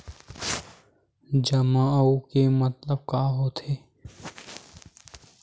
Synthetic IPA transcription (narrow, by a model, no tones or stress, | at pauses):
d͡ʒɐmãukemət̪ləb̚kaːɦoːt̪ʰeː